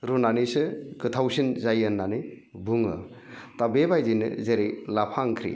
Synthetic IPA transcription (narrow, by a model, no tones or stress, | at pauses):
ɾunanisɯkɯt̪ʰawsinzajɯnːanɯ | bɯŋɯ̰ | tabebajzinɯ̰zeɾejlapʰaŋkʰɾḭ